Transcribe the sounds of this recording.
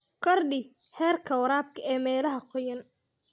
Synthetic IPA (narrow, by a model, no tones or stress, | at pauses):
kʰɔrɖɪ | hɛːrkʰɐwɐɾaːb̚kʰɐɛːmɛːlɐɦɐqʰɔjɐn